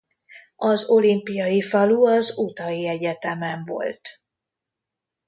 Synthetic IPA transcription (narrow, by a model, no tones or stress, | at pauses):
ɒzo̞limpijɒjifɒluɒzut̪ɒjiɛɟɛt̪ɛmɛɱvo̞̰lt̪